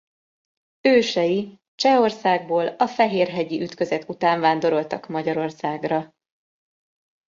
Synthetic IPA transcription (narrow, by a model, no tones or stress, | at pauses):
øːʃɛji | t͡ʃɛo̞rsaːɡ̚boːlɒfɛɦeːrɦɛɟiʔyt̪kø̞zɛt̪ut̪aːɱvaːnd̪o̞ɾo̞lt̪ɒkmɒɟɒɾo̞rsaːɡrɒ